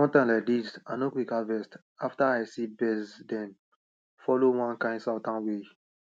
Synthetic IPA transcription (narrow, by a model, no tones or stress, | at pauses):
wɔ̃ntãɪ̃nlaɪk̚disãnokwikavɛst | aftaaɪsibɛsdɛ̃n | fɔlowãnkãɪ̃ndsaʊtãnwe